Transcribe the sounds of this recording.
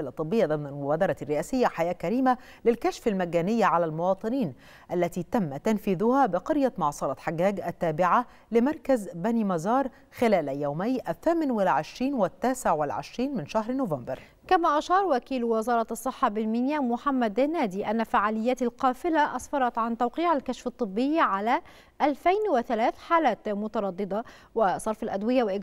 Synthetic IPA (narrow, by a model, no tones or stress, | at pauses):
lʔɑt̪ˤːɨbːɪjːad̪amnalmʊbaːd̪ɑɾˤɑrːɪʔæːsɪjːaħajæːkæɾiːma | lɪlkaʃfalmaɡæːnɪjːaʕalælmʊwɑːt̪ˤɨniːn | ʔalːæt̪iːt̪amːat̪ːanfiːðʊhabɪqɑɾjamɑʕsˤɑɾˤɑt̪ħaɡːaːɡʔat̪ːaːbɪʕa | lɪmɑɾˤkazbæniːmɑzɑːɾˤ | xɪlæːlʔajːawmajʔaθːæːmɪnwɪlʕɪʃɾiːnwɪt̪ːaːsɪʕwɪlʕɪ̰ʃɾiːnmɪnʃahɾnʊvambɑɾˤ | kamæːʔaʃɑːɾˤwækiːlwɪzɑːɾˤɑɑsˤːɨħːɑbɪnminjamʊħamːæd̪ɪnæːd̪iːʔanːafaʕaːlɪjːæːt̪alqɑːfɪlaʔɑsˤfɑɾˤɑt̪ʕant̪awqiːʕalkæʃfɑt̪ˤːɨbːɪjːʕalæː | ʔːlfajnwɪθalæːθħaːlæːt̪mʊt̪ɑɾˤɑd̪ˤːɨd̪ˤɑ | wɪsˤɑɾˤfalʔad̪wɪjawɪʔɪɡ